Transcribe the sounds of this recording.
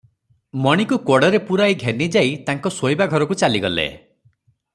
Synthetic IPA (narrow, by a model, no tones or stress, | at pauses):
mɔɽ̃ikukɔɽɔɾepuɾajɡʱenid͡ʒait̪aŋkɔsojbaɡʱɔɾɔkut͡ʃaliɡɔlḛ